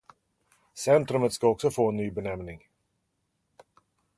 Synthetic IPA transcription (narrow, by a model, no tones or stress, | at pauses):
sɛnt̪ɾɵmət̪skaɔksɔfoːɛnːyːbɛnɛmnɪŋ